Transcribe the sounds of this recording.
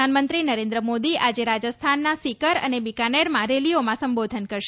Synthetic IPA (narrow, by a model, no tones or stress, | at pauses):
anmənt̪ɾinəɾẽnd̪ɾəmod̪iʔad͡ʒeɾad͡ʒəst̪ʰanːasikəɾə̰nebikaneɾmãɾeliomãsəmbod̪ʱənkəɾʃ